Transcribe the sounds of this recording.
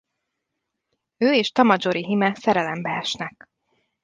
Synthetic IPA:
øːeːʃt̪ɒmɒd͡ʒoɾiɦimɛsɛɾɛlɛmbɛɛʃnɛk

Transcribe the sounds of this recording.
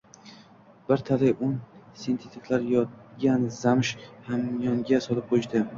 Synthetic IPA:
bɪɾt̪ʰalɪjʔʊnsint̪ʰet̪ik̪ʰlaɾjɒt̪ɡʲanzamɪʃhamjɒŋɡʲasɒlɪp̚qʰoʃd̪ɪ

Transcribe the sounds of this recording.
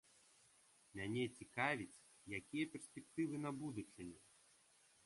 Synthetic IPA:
mʲanʲɛt͡sʲikavʲit͡sʲ | jakʲijɐpʲɛrsʲpʲɛk̚t̪ɨvɨn̪abud̪ut͡ʂʲɐnʲɛ

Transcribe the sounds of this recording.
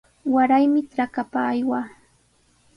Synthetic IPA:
waɾajmɪʈ͡ʂɾakapaːjwaː

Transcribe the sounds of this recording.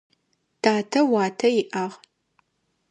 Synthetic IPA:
tʰaːtʰɐwaːtʰɐjɪʔɐʁ

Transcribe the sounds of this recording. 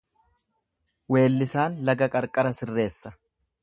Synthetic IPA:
we̞ːlːɪsaːnlɐɡɐkʼɐɾkʼɐɾɐsɪrːe̞ːsːɐ

